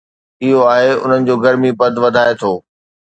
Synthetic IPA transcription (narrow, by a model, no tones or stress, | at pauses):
ɪɦoaːɦeʊ̰n̤ənɪ̆d͡ʑoːɡɐɾmibɐd̪ʱʋɐd̪ʱaːet̪ʰoː